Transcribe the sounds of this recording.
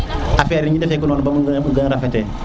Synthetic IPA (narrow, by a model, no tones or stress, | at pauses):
afeɾiɲidefek̬unoːnbamɡɡənɾafetɛ